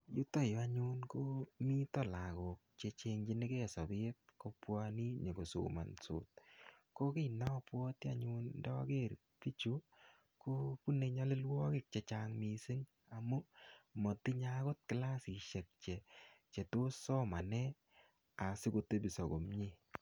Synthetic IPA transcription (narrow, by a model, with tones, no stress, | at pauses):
ju˦to˦ja˨ɲʊ˦nko˦mi˦tɔ˦˨la˨kɔ˨k̚t͡ʃe˨˧t͡ʃe˧ŋd͡ʒi˦nɪ˦ke˦˨sa˨bɪ˦t̚ko˦pwa˦ni˦ɲe˨ɡo˨so̰˨ma̰˨nso̰˨t̚ | ko˦kɪ˦na˦pwɔ˦ti˦a̰˨ɲʊ˦ndɔ˦a̰˦ke˦˨ɾ | pi˦t͡ʃu˨˦ | ko˦pu˦ne˨˧ɲa˦lɪ˦lwɔ˦kɪ˦˨k̚t͡ʃɛ˧t͡ʃa˦ŋmi˨se˦ŋ | a˨mu˦mɔ˨ti˦ɲako˦t̚kɪ˨la˦si˨ʃɛ˨k̚t͡ʃɛ˨t͡ʃe˨to˦sɔ˦ma˨nɛ˦ | a˨sɪ˦ko˧te˦bi˨sɔ˨ɡo˨mɲi˦